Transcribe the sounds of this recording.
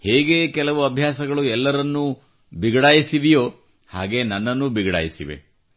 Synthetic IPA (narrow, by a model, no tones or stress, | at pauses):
heːɡekɛlɐʋuɐbʱjaːsɐɡɐɭuɛlːɐɾɐnːu | biɡɐɽaːjisiʋijoː | haːɡe̞nɐnːɐnːubiɡɐɽa̰ːjisiʋḛ